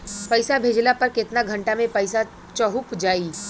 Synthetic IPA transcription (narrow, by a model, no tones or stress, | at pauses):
pɐɪsabʱeːd͡ʒlapɐɾkɪt̪naɡʱɐ̃ɳʈamẽpɐɪsa | t͡ʃəɦʊpd͡ʒaːiː